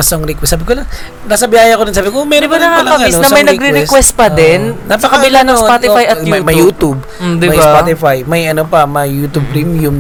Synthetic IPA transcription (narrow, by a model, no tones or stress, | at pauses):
ɐsoŋɾɪkwɛsaːbɪkola | nasɐbjaːjɐɐkod̪ɪnsaːbɪkomɛɾɪbɐnɐkaɐkɐbɐinɐmmɐjnɐɡɾɪɾɪkwɛst̪̚pɐd̪ɛnnɐpɐkɐbɪlanɐŋspat̪ɪfajɐjɐmɐjuːt̪ub̚ | d̪ɪmɐjspat̪ɪfajmɐjɐnopɐmɐjːut̪ub̚pɾimjum